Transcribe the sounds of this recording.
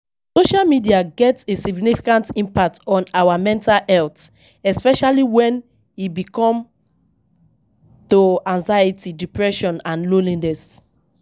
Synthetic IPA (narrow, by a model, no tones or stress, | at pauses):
soʃalmidiaɡɛtsesiɡnifi̥kãntĩmpak̚tɔ̃nawamɛ̃ntalhɛlt | ɛspɛʃaliwɛ̃n | ibikɔ̃m | toãŋzajitidipɹɛʃɔ̃nãnlolĩŋnɛs